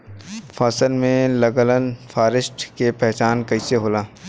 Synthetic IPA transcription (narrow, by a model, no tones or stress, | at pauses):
faːsəlmẽləɡələnfʰaːɾɪʃʈkepɛɦt͡ʃaːnkɐɪseɦoːlaː